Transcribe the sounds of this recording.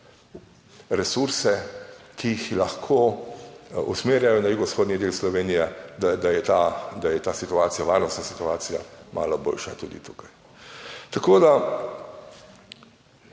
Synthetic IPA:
ɾɛsuɾsɛkʰijixlaxkʰo | ṵsmeːɾjajɔnajuɡɔsxoːd̪nid̪eːlslɔʋeːnijɛd̪ad̪ajɛt̪ad̪ajɛt̪aːsit̪uaːt̪sijaʋaːɾnɔst̪nasi̥t̪uaːt̪sija̰mʔa̰ːlɔbo̰ːlʃat̪ṵːd̪ḭt̪uːkaj | t̪akoːd̪a

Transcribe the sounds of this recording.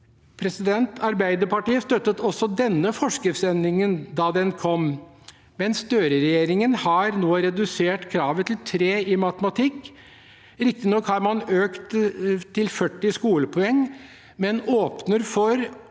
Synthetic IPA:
pʰɾɛsɪd̪ɛnt̪ʰɑɾbæɪd̪əɾpɑʈiːəst̪œt̪ːət̪ɔsːɔd̪ɛnːəfɔʂkəsɛnɪŋənd̪ɑːd̪ɛnkʰɔm | mɛnst̪øːɾəɾɛjeːɾɪŋənhɑɾnoːɾɛd̪ʉseːʈkʰɾɑːʋət̪ʰlt̪ʰɾeːɪmɑt̪əmɑt̪ʰɪkː | ɾɪk̚t̪ɪnɔkhɑɾmɑnøːkt̪t̪ʰːɪlfœʈːɪskuːləpʰɔɛŋː | mɛnoːpnəɾfɔɾ

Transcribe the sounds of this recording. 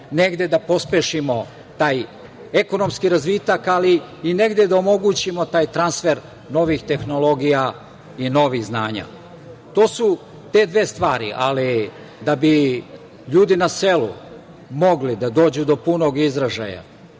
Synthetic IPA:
ne̞ɡd̪e̞d̪apo̞speʃimo̞ | t̪aːj | eko̞no̞mskiɾazʋit̪akaliː | ne̞ɡd̪ed̪aomo̞ɡut͡ɕimo̞t̪aːjt̪ɾansfe̞ɾ | no̞ʋixt̪e̞xno̞lˠo̞ɡija | ino̞ʋiɣznaːɲa̰ | t̪o̞ːsu | t̪e̞d̪ʋe̞ːst̪ʋaːɾḭʔali | d̪abi | ʎuːd̪inaselṵ | mo̞ɡlid̪ad̪o̞ːd͡ʑud̪o̞puno̞ɡizɾaʒa̰ja̰

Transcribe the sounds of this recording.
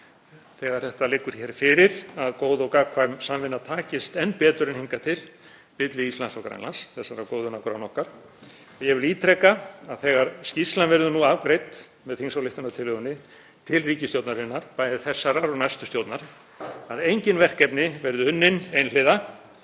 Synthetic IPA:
θɛːɣaɾ̥θɛht̪alɪkːʏɾ̥çɛɾfɪɾɪɾaðkoːwðɔwkakʰvaːjmsamvɪnːat̪ʰaːcɪst̪ɛnpɛːt̪ʏɾɪnhiŋkat̪ʰɪl | pɪt̪lɪist̪lansɔkɾa̰jnla̰nsθɛsːaɾakoːwðʏnawkɾa̰nɔhkaɾ̥ | ɔjɛɣvɪliːt̪ʰɾɛkːaaðθɛːɣaɾscist̪lanvɛɾðʏnuavkɾejt̪ | mɛðhiŋsawlɪft̪anat̪ʰɪlʏɣʏnːɪ | t̪ʰɪlriːcɪst̪jowt̪naɾɪnːaɾ̥paːjðɪθɛsːaɾaɾɔɣnajst̪ʏst̪joːwt̪naɾ | aðejɲcɪnvɛr̥kɛpnɪvɛjɾðʏʏnːɪnejnlɪːða

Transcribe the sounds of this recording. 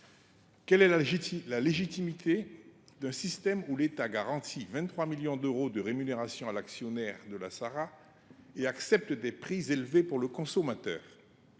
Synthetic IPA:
kɛlɛlaleʒit̪imit̪ʰed̪ɛ̃sist̪ɛmulet̪aɡaʁɑ̃t̪ʰivɛ̃t̪t̪ːχwamiljɔ̃d̪øʁod̪əʁemyneʁasjɔ̃alaksjɔnɛʁd̪əla̰saʁa | eaksɛp̚t̪d̪ɛpχizelvepuʁləkɔ̃sɔmat̪œ̰ːʁ

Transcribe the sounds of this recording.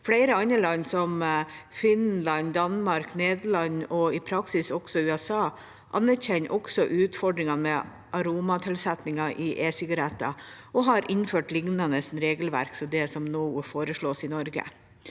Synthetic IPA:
flæɪɾəɑnəlɑnsɔmfɪnnlɑnd̪ɑnmɑɾkneːd̪əɭɑɲɔɪpʰɾɑksɪsɔksɔʉːɛsɑː | ʔɑ̰nːæɾçɛnːʔɔksɔʔʉːt̪fɔɖɾɪŋɑmɛ | ʔɑɾuːmɑt̪ʰɪlsɛt̪nɪŋɑʔɪʔeːsɪɡɑɾɛt̪ːɑ̰ʔɔɦɑɾʔɪnføːʈlɪŋnɑnəsnɾeːɡəlʋæ̰ɾksɔd̪ɛsɔmnoːfoːɾəʂɭoːsɪnɔɾɡə̰

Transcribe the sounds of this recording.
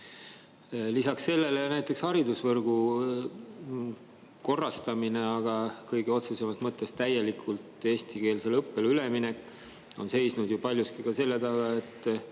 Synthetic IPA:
lisɑksːe̞lːe̞le̞næjt̪ːˑe̞kshɑɾid̪usvɤrɡ̥u | ko̞rːɑst̪ɑmineɑɡ̥ɑkɤjɡ̥eo̞t̪susemɑst̪mɤt̪ˑːe̞st̪æje̞likʰult̪e̞ːst̪ike̞ːlselɤpːe̞lyle̞mine̞kː | o̞nse̞jsnud̪jupɑlʲjuskikɑse̞lːet̪ɑɡɑe̞t̪ːˑ

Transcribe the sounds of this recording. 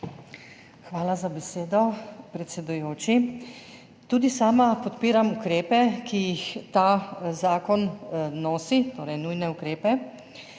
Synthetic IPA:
xʋaːlazabɛseːd̪ɔpɾɛt̪sʲɛd̪ujoːt͡ʃi | t̪uːd̪isaːmapɔt̪piːɾamukɾeːpɛkijixt̪aːzaːkɔnnoːsit̪oːɾɛjnujnɛukɾeːpɛ

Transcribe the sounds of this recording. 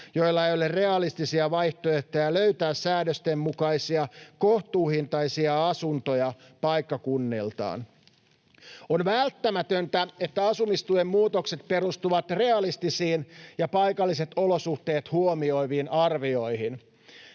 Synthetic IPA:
jo̞ijlːɑejolerre̞ɑlist̪isiɑʋɑjht̪oeht̪æjæløyt̪æːssæːdøst̪emmukɑjsiɑkoht̪uːhint̪ɑisiɑɑsunt̪ojɑ | pɑjkːɑkunːilt̪ɑ̰ːn | onʋælt̪ːæmæt̪ønt̪æe̞t̪ːæɑsumist̪uemːmuːt̪okset̪̚pe̞ɾust̪uʋɑt̪re̞ɑlist̪isiːnjɑpɑjkɑlːiset̪o̞losuht̪e̞ːt̪huomio̞iʋiːnʔɑrʋio̞jhin

